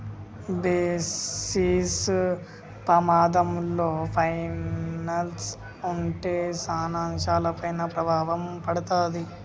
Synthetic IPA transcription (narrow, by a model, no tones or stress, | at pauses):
beːsiːs | pɾɐmaːd̪ɐmloːpʰɐjnɐls | uɳʈeːsaːnaːnʃaːlɐpɐjnɐpɾɐbʱaːʋɐmpɐɽut̪aːd̪i